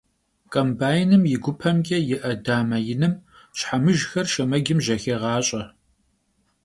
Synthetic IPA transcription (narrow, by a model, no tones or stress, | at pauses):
kʼɐmbaːjɪnɨmjɪɡʷʊpʰɐmɡʲɐjɪʔɐdaːmɐjɪnɨm | ɕħamɨʒxɐrʃɐmɐɡʲɪmʒɐxeːʁɑːɕʼɐ